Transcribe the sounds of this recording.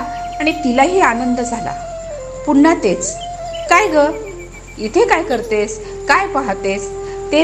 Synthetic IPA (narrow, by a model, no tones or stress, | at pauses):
aɽ̃it̪ilaɦiːanənd̪əd͡zʱala̰ | puɳnat̪et͡skajɡə | it̪ʰekajkəɾt̪es | kajpaɦt̪est̪e